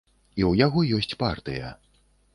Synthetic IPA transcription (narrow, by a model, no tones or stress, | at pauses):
iwjaɣɔjɔsʲt͡sʲpart̪ɨjɐ̰